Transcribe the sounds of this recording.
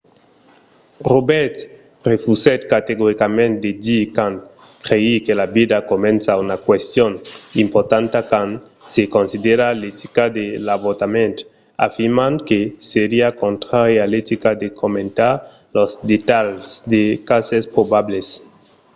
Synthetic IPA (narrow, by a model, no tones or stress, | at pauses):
robɛɾt̪ | refusɛt̪kat̪eɣoɾikamẽnt̪̚d̪ed̪ikan | kɾeikelabid̪akomẽnsaunakwest̪jonimpoɾt̪ãnt̪akan | sekõnsid̪eɾalet̪ikad̪elaβot̪amẽnt̪ | a̰fiɾmankeseɾiakõnt̪ɾaɾjalet̪ikad̪ekʰomẽnt̪aɾ | lozd̪et̪aʎsd̪ekasespɾobables